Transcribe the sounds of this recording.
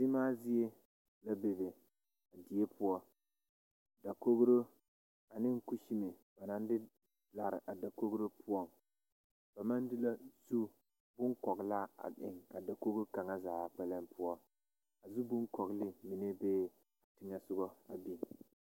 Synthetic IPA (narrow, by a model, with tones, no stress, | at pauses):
sɪ˦maː˦zɪ˦e˦ | la˦be˨be˨ | a˨di˨e˦pʰʊ˦ɔ˦ | da˨ko˦ɡɾo˦ | a˨nɪ˦ŋ̩˦ku˦ʃi˦me˨ba˨na˨n˦dɪ˦ | la˨ɾɪ̰˨ʔa˨da˨ko˦ɡɾo˦pʰʊ˦ɔ˦˨m | b̥a˨ma˦ndɪ˦la˦zu˦ | bʊ˦ŋkɔ˨ɣla˦a̰˨ɪ̰˨ŋa̰˨da˨ko˦ɡu˦ɾka˨ŋa˦zaː˨k͡pɛ˦lɛ˦mpʰʊ˦ɔ˦ | a˨zu˦bʊ˦ŋkɔ˨ɡlɪ˦mi˨ne˦beː˦ | a˨tɪ˦ŋɛ˦sʊ˦ɡɔ˦a˨bi˨n˨